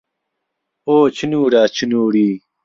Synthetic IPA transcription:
oːt͡ɕʰinuːɖaːt͡ɕʰinuːɽiː

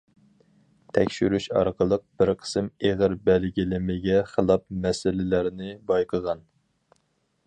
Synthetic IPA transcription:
t̪ʰɛkʲʃyɾyʃɑ̰ɾqʰəlˠəq̚b̥ɪɾqʰə̥sɨmeʁəɾbɛlɡʲilɪmɪɡʲɛχəlˠɑp̚mɛsɪlɪlæɾnɪbɑjqʰəʁɑn

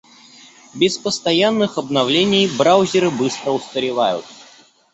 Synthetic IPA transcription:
bʲɪspəst̪ɐjanːɨxɐbnɐvlʲenʲɪjbɾawzʲɪɾɨbɨst̪ɾəʊst̪əɾʲɪvajʊ̰t̪̚

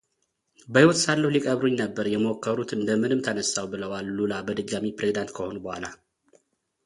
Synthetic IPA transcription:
bəhiwot̪salːəhulikʼəβɾuɲnəbːəɾjɛmokʰːəɾut̪ɨnd̪əmɨnɨmt̪ʰənəsːawbɨləwalːulabəd̪ɨɡːamipɾezid̪ant̪kʰəho̞nubəhʷala

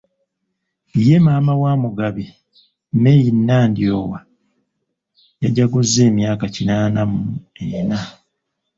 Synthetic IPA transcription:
ije̞maːmawaːmuɡaβi | mejinːaːndioːwa | jaɟaɡozːe̞ːmjaːkacinaːnamuena

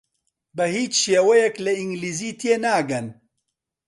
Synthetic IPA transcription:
bɛhiːt͡ʃʃeːwɛjɛklɐiŋɡliːziːt̪ʰijenaːɡɐn

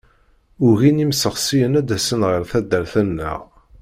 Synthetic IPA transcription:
ʊɣinimsəʁsijənæd̪æsənʁəɾθæd̪ːəɾθænːæ̰ʁ

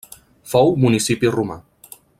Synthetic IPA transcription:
fɔwmunisipiruma̰

